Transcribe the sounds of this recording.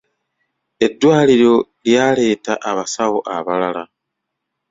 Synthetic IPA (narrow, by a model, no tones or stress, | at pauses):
e̞dːwaːliɾo̞ljale̞ːtaʔaβasaɣoʔaβalala